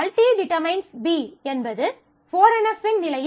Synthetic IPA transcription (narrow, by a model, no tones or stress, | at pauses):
ɐlʈiɖɪʈːɐmɐɪnsbiːɛnbɐðɯ | foːɾɛnɐfɪnnɪlɐj